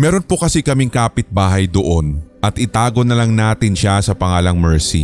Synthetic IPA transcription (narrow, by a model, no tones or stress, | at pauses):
mɛːɾo̞npokɐsɛkɐmɪŋkaːpɪt̪̚baːɦɐjd̪oʔo̞nʔɐt̪ʔɪt̪aːɡo̞nɐlɐŋnaːt̪ɪnʃasɐpɐŋaːlɐŋmɛɹsḭ